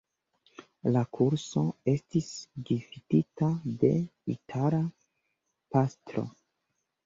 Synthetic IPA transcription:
lakʰuɾso̞e̞stisɡifititade̞̰itʰaɾa | pastɾo̞̰

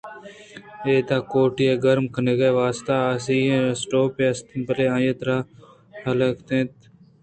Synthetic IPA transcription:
eːt̪aːkoːʈijeːɡəɾmkəneːɡeʋaːst̪aːasiːɦẽːsʈoːpeːɐst̪bəleːãːjeːt̪ɾaː | hɐləkt̪ẽːt̪

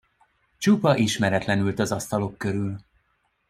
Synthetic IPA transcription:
t͡ʃupɒʔiʃmɛɾɛt̪lɛnylt̪ɒzɒst̪ɒlo̞kːø̞ɾyl

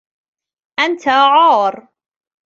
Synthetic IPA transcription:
ʔant̪ʰaʕɑːɾˤ

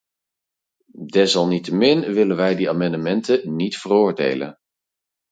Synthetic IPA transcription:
dɛsɑlˠnitəmɪnʋɪlənʋɛjdiaːmɑndəmɛntənitfərʊːɹdḛjlə̰n

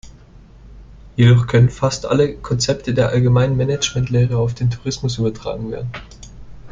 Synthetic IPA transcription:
jedɔχkʰœnənfastʔa̰ləkʰɔnt͡sɛptʰədeːɐʔalɡəmaɪnənmɛnɛt͡ʃmɛntleːʁəaʊfd̥eːntʰuʁɪsmʊs̬ʔyːbɐtʁ̥a̰ːɡŋ̩vḛːɐdn̩

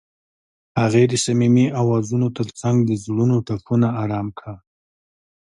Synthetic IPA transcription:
haɣed̪əsamimiawɑzunot̪əɾt͡saŋɡd̪əzɽunoʈapʰunaːɾɑmkʰɽa

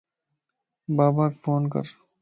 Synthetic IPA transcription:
baːbaːkfʰoːnkə̰ɾ

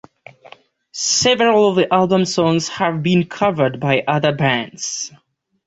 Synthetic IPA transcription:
sɛvɹəl̩ˠʌvðiʔælˠbə̃msɔ̃ŋz̥həvbĩnkʰʌvə˞d̚baɪʔʌðə˞bæ̃ndz̥

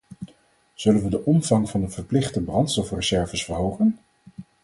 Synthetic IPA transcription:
z̥ɵlənʋədəʔɔmv̥ɑŋvɑndəvəɹplɪχtəbrɑntstɔfrəzɛɹvəsfəɹɦowχən

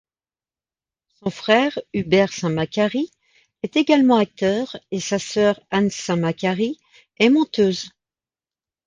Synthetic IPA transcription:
sɔ̃fχɛʁybɛʁsɛ̃makʲaʁi | ɛt̪eɡalmɑ̃ak̚t̪œʁesasœʁansɛ̃makʲaʁi | ɛmɔ̃t̪øːz

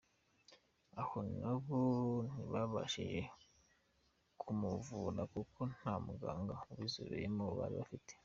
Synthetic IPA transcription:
ahonaβon̥iβaβa̰ʃḭʒe | kʰumuvuɾakukʰo̞n̥hamuɡaːŋɡauβizuɾijimoβa̰ɾiβafite̥

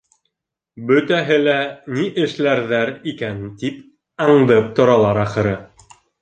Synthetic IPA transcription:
bɵ̆t̪æɦɘlæniʔɘ̆ʃlæɾðæɾikænt̪ip | ɑɴd̪ɤp̚t̪ŏɾɑlˠɑɾɑχɤ̆ɾɤ

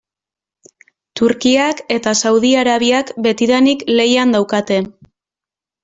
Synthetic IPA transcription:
t̪uɾkiake̞t̪asawðiaɾaβiakbe̞t̪iðanikle̞jand̪awkat̪e̞

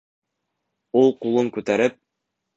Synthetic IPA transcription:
ulˠqulˠɤŋkʉt̪æɾɘp̚

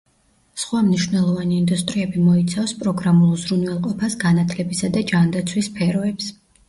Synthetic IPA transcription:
sχwamniʃvnɛlˠɔvaniːnd̪ust̪ʼɾiɛbimɔit̪sʰafspʼɾɔɡɾamulˠuzɾunvɛlˠqʼɔpʰasɡanat̪ʰlɛbisad̪ad͡ʒand̪at̪sʰwispʰɛɾɔɛps

